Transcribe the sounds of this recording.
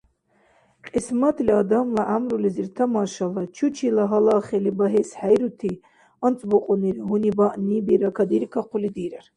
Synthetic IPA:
qʼismat̪ʰliad̪amlaʔamɾuliziɾt̪ʰamaʃalat͡ʃʰut͡ʃʰilaɦalaχɛlibaɦɛsħajɾut̪ʰi | ɔnt͡sʼbɔqʼɔniɾiɦunibaʔnibiɾakʰad̪iɾikʰaqʰulid̪iɾaɾ

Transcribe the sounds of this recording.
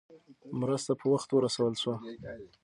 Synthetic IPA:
mɾəst̪apʰəwaxt̪wəɾasawəlswa

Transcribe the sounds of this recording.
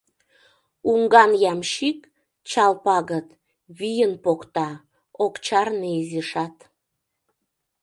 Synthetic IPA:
uŋɡɑnjɑmʃik | t͡ɕɑlpɑɣət̪ | βijənpokt̪ɑ | okt͡ɕɑrneziʃɑt̪

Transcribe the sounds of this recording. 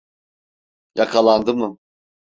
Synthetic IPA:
jakʰalˠand̪ɯmɯ

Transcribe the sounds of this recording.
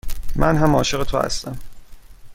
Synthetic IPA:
mʔænɦæmɒːʃeɣet̪ʰo̰hæ̰st̪æm

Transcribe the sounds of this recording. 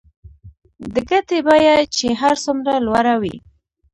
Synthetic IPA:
d̪əkat̪ebajat͡ʃeɦaɾsumɾalwaɾawḭ

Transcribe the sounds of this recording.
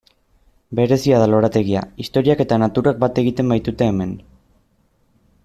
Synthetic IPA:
be̞ɾe̞siað̞alo̞ɾat̪e̞ɣia̰ist̪o̞ɾiake̞t̪anat̪uɾak̚bat̪e̞ɣit̪e̞mbajt̪ut̪e̞ːme̞n

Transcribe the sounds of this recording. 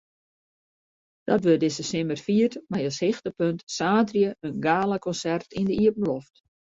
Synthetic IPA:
d̥ɔtʋødɪsəsnɪmərfiərtmajəshɪxtəpøntsaːtrjəənɡaːləkɔnsɛrtʰindəiəpn̩lɔft

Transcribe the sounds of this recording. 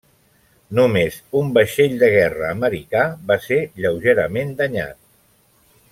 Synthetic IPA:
numezumbəʃeʎd̪əɣ̞ɛrəːməɾikaβaseʎəwʒeɾəmend̪əɲa̰t̪̚

